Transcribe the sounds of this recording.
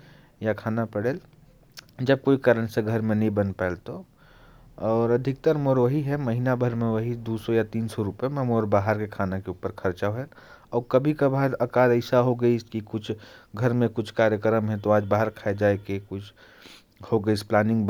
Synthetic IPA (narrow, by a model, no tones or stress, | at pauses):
jakʰaːnapɐɽeːl | d͡ʒɐb̚koːikəɾəñseɡʱəɾmẽnɐɦĩbɐnpɛːlt̪o | ɔːɾɐd̪ʱɪk̚t̪əɾmoːɾʋəɦiɦɛmɐɦinabʱəɾmẽʋɐɦid̪uːsɔjat̪iːnsɔɾʊpemẽmoːɾbaːɦəɾkekʰaːnekeupəɾkʰɐɾt͡ʃaɦɛɔːɾkɐbʱikabaːɾɐkaːɾəɪsaɦoɡəiskikʊt͡ʃʰɡʱɐɾmẽkʊt͡ʃʰkaːɾjəkɾəmɦɛ̃t̪oaːd͡ʒbaːɦəɾkʰaːed͡ʒaːekekʊt͡ʃʰ | hoɡəisplaːnɪ̃ŋɡb